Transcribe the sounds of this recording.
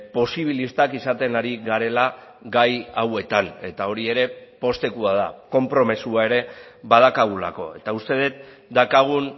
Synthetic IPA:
po̞siβ̞ilist̪akisat̪e̞naɾiɣaɾe̞la | ɡajawe̞t̪ane̞t̪ao̞ɾie̞ɾe̞po̞st̪e̞kuað̞ako̞mpɾo̞mesuae̞ɾe̞βaðakaɣ̞ula̰ko̞̰e̞t̪aust̪e̞ðet̪̚ | d̪akaɣ̞un

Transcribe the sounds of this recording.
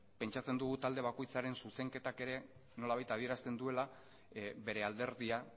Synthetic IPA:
pe̞nt͡ʃat͡se̞nd̪uɣut̪ald̪e̞βako̞jt͡saɾe̞nsuse̞ŋke̞t̪ake̞ɾe̞ | no̞laβajt̪að̞ie̞ɾast̪e̞nd̪ue̞la | βe̞ɾe̞ald̪e̞ɾðia

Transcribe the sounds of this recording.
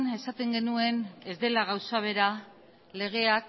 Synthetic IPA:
ne̞sat̪e̞ŋɡe̞nue̞ne̞zd̪e̞laɣawsaβ̞e̞ɾa | le̞ɣ̞e̞ak

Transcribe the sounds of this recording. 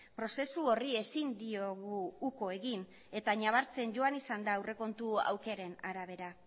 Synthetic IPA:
pɾo̞se̞suo̞rie̞sind̪ioɣuːko̞e̞ɣin | e̞t̪aɲaβaɾt͡se̞nʝo̞anisand̪aːwre̞ko̞nt̪ua̰wke̞ɾe̞na̰ɾaβ̞e̞ɾa

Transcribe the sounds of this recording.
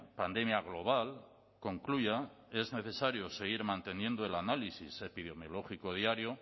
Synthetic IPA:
pand̪e̞mjaɣ̞lo̞β̞al | ko̞ŋkluʝa | e̞zne̞θe̞saɾjose̞ɣ̞iɾmãnt̪e̞nje̞nd̪oe̞lanalisise̞piðe̞mjo̞lo̞xiko̞ð̞iaɾjo̞

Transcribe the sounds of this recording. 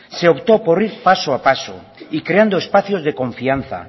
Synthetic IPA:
seopt̪oporiɾpasoapaso̰ | ikɾeand̪oespaθjozðekõɱfian̟θa̰

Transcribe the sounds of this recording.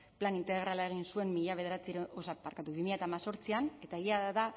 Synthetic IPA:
planint̪e̞ɣɾalae̞ɣ̞insue̞mmiʎaβe̞ð̞e̞ɾat͡siɾeosamaɾkat̪uβimiʎat̪amaso̞ɾt͡siane̞t̪aeɣiaða

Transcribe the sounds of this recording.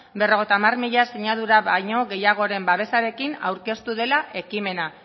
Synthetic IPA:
bero̞ɣ̞e̞jt̪aːmarmiʎaseɲaðuɾaβaɲo̞ɣe̞jaɣ̞o̞ɾe̞mbaβe̞saɾe̞kina̰wɾke̞st̪uðe̞laʔe̞kime̞na

